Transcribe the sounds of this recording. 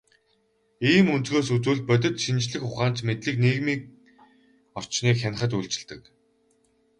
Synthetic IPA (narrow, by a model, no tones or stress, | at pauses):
iːmunt̪ɣoːsut͡suːɮt̪̚pœt̪̬ʲɪ̆t̪ʃint͡ɕɮɘ̆xχʊχaːnt͡ɕmet̪ɮiːkniːɣmiːk̚ | ɔr̥t͡ɕniːkxan̆χə̆t̪ujɮt͡ɕɪ̆ɮt̪ɘ̆k